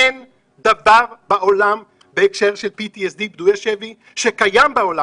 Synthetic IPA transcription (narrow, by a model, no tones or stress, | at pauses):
en | d̪avaʁbaʔolam | beekʃeʁʃelpit̪iesd̪ibd̪ujaʃevi | ʃekajambeola